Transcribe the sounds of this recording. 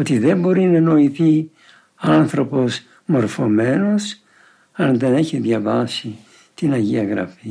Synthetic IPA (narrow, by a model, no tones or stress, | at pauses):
ot̪iðe̞mbo̞ɾinɐno̞iθi | ɐnθɾo̞po̞s | mo̞ɾfo̞me̞no̞s | ɐnðe̞neçiðʝɐvɐsi | t̪inɐʝiɐɣɾɐ̰fi